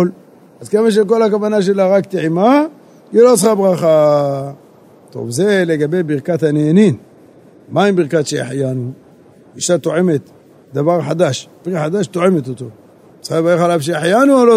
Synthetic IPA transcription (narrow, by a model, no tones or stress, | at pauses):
l | azkemaʃ̬ek̬o̞lhakavanaʃ̬e̞laʁakt̪iʕima | ilo̞t͡sχabʁaχa | t̪o̞̰vze̞le̞ɡabe̞jbiʁkat̪haneːnin | maibiʁkaʃeja̰ħjanu | iʃat̪o̞ʕe̞me̞t̪ | d̪avaʁħad̪aʃb̥ʁiaħad̪aʃt̪oʕe̞met̪ot̪o̞ | t͡sχabaexalavʃ̬ejaħjanuolo